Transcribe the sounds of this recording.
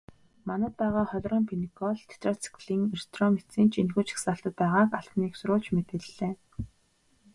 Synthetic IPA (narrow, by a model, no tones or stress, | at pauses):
manə̆t̪̚pæːʁaːχɔɮʲrɔːmpʰenikʰɔɮt̪ʰe̥t̪rɔt͡si̥kʰɮiːŋerst̪ʰrɔmet͡sĭːnt͡ɕʰinxuːt͡ɕʰi̥xsaːɬt̪ə̆t̪̚pæːʁaːkaɮ̥tniːksʊɾʊːɮt͡ɕmet̪ɘ̆ɮːeː